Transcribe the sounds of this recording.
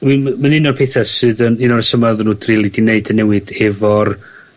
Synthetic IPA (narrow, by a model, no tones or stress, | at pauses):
wimmanɪnɔrpʰeθɛsɨːðənɪnɔɾəsəmaðnuːdrilˠidɪneɨdənːɛwɨdɛvɔr